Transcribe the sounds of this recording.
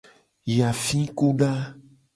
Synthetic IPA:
ja˨fĩ˦ku˦ɖa˦

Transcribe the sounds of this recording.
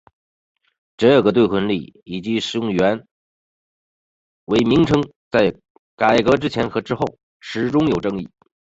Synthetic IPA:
ʈ͡ʂɤ˥˧ə˥˩ɡə˩t̪we˥˩ɪkʰwə˧˥nlḭ˥˩i˨˩t͡ɕi˧˥ʂɻ̩˧˥jʊ˥˩ŋɥɛ˧˥n | we˧˥ɪmi˧˥ŋʈ͡ʂʰɤ˥ŋ | t͡sa˥˩ɪ | ka˨˩ɪkɤ˧˥ʈ͡ʂɻ̩˥t͡ɕʰjɛ˧˥nxɤ˧˥ʈ͡ʂɻ̩˥xo˥˩ʊ | ʂɻ̩˧˩ʈ͡ʂʊ˥ŋjo˨˩ʊʈ͡ʂɤ˥˧ŋi˥˩

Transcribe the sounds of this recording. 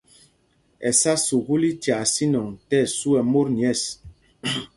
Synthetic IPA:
ɛ˨sa˦su˨ɣu˦li˦tja˨si˦nɔ˨ŋtɛ˦˨su˦ɛ˨mo˦ɾni˨ɛ˦˨s

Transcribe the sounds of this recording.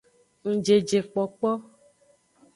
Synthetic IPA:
ŋ̩̃˨d͡ʒe˨d͡ʒe˨k͡pɔ˨k͡pɔ˦

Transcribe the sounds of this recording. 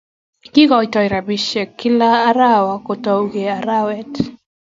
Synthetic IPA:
ki˦ɡɔ˨jtɔ˨jɾa˨bi˨ʃɛ˨kːɪ˦laː˦ɾawa˨kotɔ˨wɡe˨a˨ɾawɛt

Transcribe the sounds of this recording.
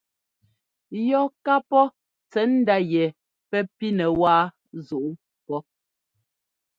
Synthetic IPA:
jɔ˦ka˦pɔ˦ | t͡sɛ˨˦n̩˦da˦jɛ˨ | pɛ˦pi˦nɛ˨waː˦ | zu˨ʔu˦ | pɔ˦

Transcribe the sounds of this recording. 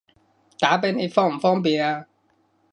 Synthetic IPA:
t̪aː˨˥˦pe˧˥ne˨˧˩fɔː˥ŋm̩˨˩fɔː˥ŋpi˨a˧

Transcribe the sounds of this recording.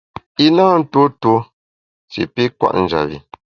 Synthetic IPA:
i˦naː˦n̩˦two˦two˦ | sḭ˨pi˦kwa̰˦˨ʔn̩˨d͡ʒa̰˨βḭ˨

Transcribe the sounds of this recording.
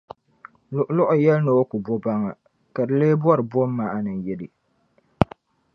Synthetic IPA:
lʊ˨ʔlʊ˦ʔʊ˨jɛ˦lnɨ˨o˦ku˨bo˦ba˦ŋa˨ | ka˨dɨ˨leː˦bwɔ˦ɾɨ˨bo˦mː˦a˦ʔa˦nɨ˨ŋ˨jɛ˦dɨ˨

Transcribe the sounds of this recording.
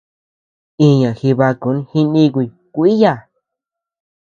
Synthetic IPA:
ĩ˧ɲã˨xi˧βa˧ku˨˦nhi˧nĩ˧ku˧i˨ | kʷi˦ja˦˨

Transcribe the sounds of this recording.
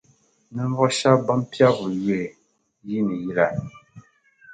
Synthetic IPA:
nɨ˦ɱ˦vɔ˦ʃa˦ba˦mpi˦a˦bu˨jɛ˦˨ | ji˦nɨ˨ji˦la˨

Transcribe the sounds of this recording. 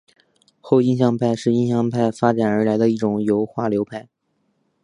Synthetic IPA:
xo˥˧ʊi˥˧nɕjɑ˥˧ŋpʰa˥˩˧ɪʂɻ̩˥˩i˥nɕjɑ˥˧ŋpʰa˥˩ɪfa˥ʈ͡ʂa˨˩nə˞˧˥la˧˥ɪd̪ə˧i˥˩ʈ͡ʂʊ˨˩ŋjo˧˥ʊxwa˥˩ljo˧˥ʊpʰa˥˩ɪ

